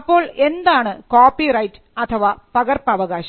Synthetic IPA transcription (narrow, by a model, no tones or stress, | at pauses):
pːo̞ːɭend̪aːɳɨkoːpːirɐjtɨ̥ɐt̪ʰɐʋapɐɣɐrpɐʋɐɣaːɕɐ